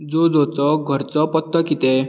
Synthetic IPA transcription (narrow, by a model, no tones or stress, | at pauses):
d͡zod͡zɔt͡sɔɡʱəɾt͡sɔpət̪ːəkit̪ɛ